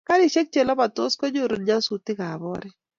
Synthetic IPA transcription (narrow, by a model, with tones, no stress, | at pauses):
ka˦ɾi˨ʃe˦k̚t͡ʃɛ˨lɔ˦ba˨t̪o˦skɔ˦d͡ʒo˦ɾo˨nd͡ʒa˦su˨t̪ɪ˦ka˨bɔ˦ɾɛ˦